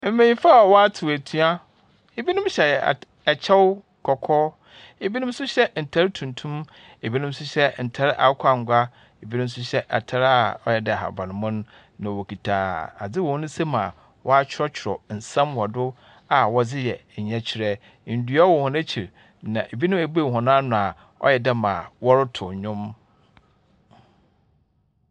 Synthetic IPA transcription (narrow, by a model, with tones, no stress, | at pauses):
m̩˦mẽ˨ɲĩ˦fa˦˨wɔ˦a˦tʰɪ˨wæ˨tʰu˦a˦ | e˨bi˦nʊ̃˦mɕɛ˨ɛ̰˨ | ɛ˨t͡ɕʰɛ˦wʊ˦ | kʰɔ˨kʰɔː˦ | e˨bi˦nʊ̃˦m˦sʊ˦ɕɛ˦n̩˨tʰa˨ɾɪ˦tʰũ˨ntʰũ˦m | e˨bi˦nʊ̃˦m˦sʊ˦ɕɛ˦n̩˨tʰa˨ɾɪ˦ʔa̰˨˦kʷʰa˦˨ŋ̩˨ɡʷa˦ | e˨bi˦nʊ̃˦m˦sʊ˦ɕɛ˦ʔɛ̰˨tʰa˨ɾa˨ɔ˦jɛ˨dɛ˨ɦa̰˨bã˨nʊ̃˨mʊ̃˦n˦ | nã˨wɔ˨kʰi˨tʰa˨a̰˨d͡zɪ˦wɔ̃˨hʊ̃˦nʊ̃˦se˦mã˨ | wɔ˦a˦t͡ɕʰɪ˦ɾɔ˦t͡ɕʰɪ˨ɾɔ̰˨n̩˨sã˦mwɔ˨dʊ˦ | a˨wɔ˨d͡zɪ˦jɛ˨ɲɛ̃˦t͡ɕʰɪ˨ɾɛ˦ | n̩˨dɥɔ˦wɔ˨hʊ̃˨næ˦t͡ɕʰi˨ɾ | nã̰˨ʔe˨bi˦nʊ̃˦mæ˨bu˦e˦˨ɦɔ̃˨ñ˦a˦nʊ̃˨a˨ | ɔ̰˦jɛ˨dɛ˦mã˨wɔ˦ɾʊ˦tʰʊ˨ɲʊ̃˦m